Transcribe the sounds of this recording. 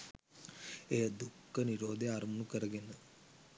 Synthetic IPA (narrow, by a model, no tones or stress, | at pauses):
ejəd̪ukːəniɾoːd̪eaːɾmɐnukəɾɐɡenə